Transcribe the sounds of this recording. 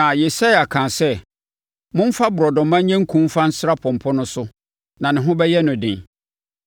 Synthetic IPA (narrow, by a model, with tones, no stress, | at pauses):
ã˨je˨sa˦ja˨kʰãː˨sɛ˦ | mʊ̃˦m̩˦fa˦bʊ˨ɾɔ˨dɔ̃˨mã˦ɲ˦ɲɛ̃˦ŋ̩˦kʰũ˦m˦fã˦n̩˦sɾa˦pʰɔ̃˨m˨pʰɔ˦nʊ̃˦sʊ˦ | nã˨nɪ̃˨ɦʊ̃˦bɛ˦jɛ˦nʊ̃˨dɪ̰̃˨n